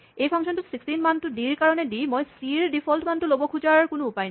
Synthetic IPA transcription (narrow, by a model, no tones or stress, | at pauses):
ejfʰaŋʃont̪usiksʈinmant̪uɖiɾkaɾoneɖimɔjsiɾɖifʰɔlʈmant̪ulobokʰud͡ʑakonoupajni